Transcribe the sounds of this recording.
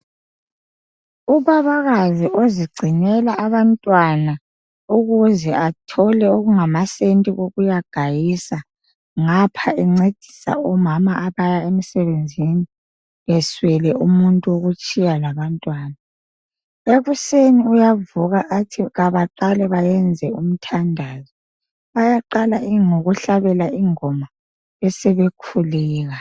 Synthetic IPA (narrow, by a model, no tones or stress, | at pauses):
uβaβaɣaziʔoziɡ͡ǀʱinɛlaʔːβantʼwana | uɣuzɛʔatʰɔlɛoɣuŋamasentʼiɣoɣujaɡ̥ʱajisa | ŋapʰaɛŋ͡ǀed̥ʱi̥sa̰ɔmamaʔaβajaemisɛβend͡zʱini | ɛswɛlɛʔumuntʼuwoɣut͡ʃʼijalaβantʼwaːna | eɣuseniujavuɣaʔːtʰiɣaβaǃalɛβajɛnd͡zʱɛum̩tʰandʱaːzi | βajaǃalaiŋoɣuɬaβɛlaʔiŋɔma | ɛsɛβekʰuliːɣa